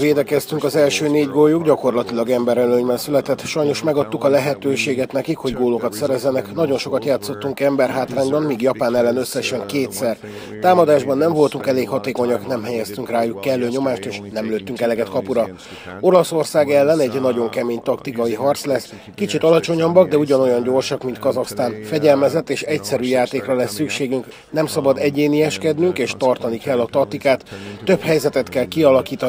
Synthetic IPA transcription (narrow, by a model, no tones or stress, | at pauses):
veːd̪ɛkɛst̪yŋkɒzɛlʃøːneːɟɡojuɡɟɒko̞rlɒt̪ilɒɡɛmbɛɾɛløːɲbɛnsylɛt̪ɛt̪ːʃɒjno̞ʃmɛɡɒt̪ːukɒlɛɦɛt̪øːʃeːɡɛt̪nɛkikho̞ɟɡoːlo̞kɒt̪sɛɾɛzːɛnɛknɒɟo̞nʃokɒt̪jaːt̪sːo̞t̪ːuŋkɛmbɛrɦaːt̪raːɲbɒnmiːɡjɒpaːnɛlːɛnø̞sːɛʃɛŋkeːt̪sɛr | t̪aːmɒd̪aːʒbɒnːɛɱvo̞lt̪uŋkɛleːkhɒt̪eːko̞ɲɒknɛmɦɛjɛst̪yŋkraːjukːɛlːøːɲo̞maːʃt̪eːʃnɛmløːt̪ːyŋkɛlɛɡɛt̪kɒpuɾɒ | o̞lɒso̞rsaːɡɛlːɛnɛɟnɒɟo̞ŋkɛmeːɲt̪ɒkt̪ikɒiɦɒrt̪slɛs | kit͡ʃit̪ɒlɒt͡ʃo̞ɲɒbːɒɡd̪ɛuɟɒno̞jɒɲɟo̞rʃɒkmint̪kɒzɒxst̪aːnfɛɟɛlmɛzɛt̪ːeːʃɛcsɛɾyːjaːt̪eːkrɒlɛsːykʃeːɡyŋk | nɛmsɒbɒd̪ɛɟeːnijɛʃkɛd̪nyŋkeːʃt̪ɒrt̪ɒnikɛlːɒt̪ɒk̚t̪ikaːt̪ːø̞phɛjzɛt̪ɛt̪kɛlkiɒlɒkiːt̪ɒ